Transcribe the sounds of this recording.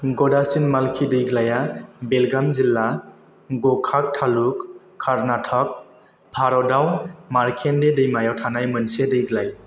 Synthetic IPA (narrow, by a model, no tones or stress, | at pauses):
ɡɔdasinmalkʰidɯjɡlajabelɡamzilːa | ɡɔkʰak̚tʰalukʰː | aɾnatʰɔk̚ | pʰaɾɔdawnmaɾkʰendedɯjmajawtʰanajmɯnsedɯjɡlaj